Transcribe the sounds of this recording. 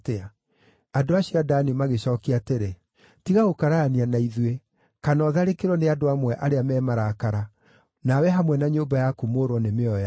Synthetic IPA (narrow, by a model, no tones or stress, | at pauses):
tea | adoaɕiadanimaɣeɕɔːkiateɾe | tiɣaɣokaɾaːnianaiðwe | kanɔðaɾekeɾwɔneadoamwɛʔaɾeamɛːmaɾakaɾa | nawɛɦamwɛnaɲoːmbajakumoːɾwɔnemeɔja